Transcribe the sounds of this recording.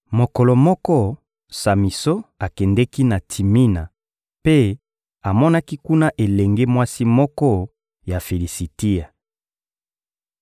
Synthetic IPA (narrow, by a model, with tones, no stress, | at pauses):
mo˨kɔ˨lɔ˨mɔ˦kɔ˦ | sa˨mi˨so˦a˨kɛ˨ndɛ˦ki˦na˨tʰi˨mi˦na˨ | pe˦ | a˨mɔ˦na˦ki˦ku˦na˦ʔe˨lɛ˨ŋɡe˦mwa˦si˦mɔ˦kɔ˦ | ja˨fe˨li˨si˨ti˦a˨